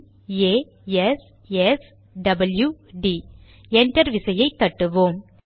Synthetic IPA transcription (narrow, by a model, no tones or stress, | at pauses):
eː | ɛs | ɛs | ɖɐbɐljuɖiː | ɛɳʈɐɾʋɪsɐjɐɪt̪ːɐʈːɯʋoːm